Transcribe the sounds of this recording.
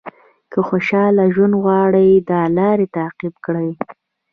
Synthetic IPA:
kəxoʃɑlaʒwand̪ɣwɑɽəjd̪ɑlɑɾet̪aːqibkɽəj

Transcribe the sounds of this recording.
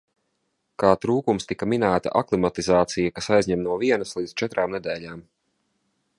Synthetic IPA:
kaːt̪ɾuːkumst̪ikɐminæːt̪a̰ʔaklˠimat̪izaːt̪sijakasajzʲɲɛmnuɔviɛnɐslˠiːd̪z̥t͡ʃɛt̪ɾaːmnɛd̪ɛːʎʲaːm

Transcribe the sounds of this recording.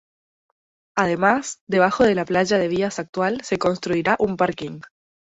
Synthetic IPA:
aðe̞masd̪e̞β̞axo̞ð̞e̞laplaʒað̞e̞βiasak̚t̪walse̞ko̞nst̪ɾuiɾaʔumpaɾkiŋ

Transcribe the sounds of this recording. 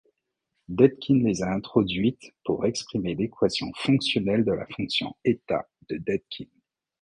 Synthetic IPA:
d̪ɛt̪kʲʰinlezaɛ̃t̪χɔd̪ɥit̪puʁɛkspχimelekwasjɔ̰̃fɔ̃ksjɔnɛld̪əla̰fɔ̃ksjɔ̰̃et̪a̰ | d̪̥əd̪ɛd̪̚kʲʰin

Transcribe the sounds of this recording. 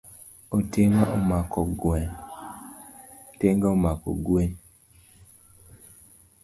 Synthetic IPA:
otemaʔomakɔɡwɛn | teŋɡaomakɔ̰ɡwen

